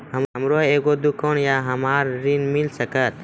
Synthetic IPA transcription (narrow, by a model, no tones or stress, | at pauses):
ɦəmɦəmɾoeːɡod̪ukənjaɦəmaːɾːinmilsəkət̪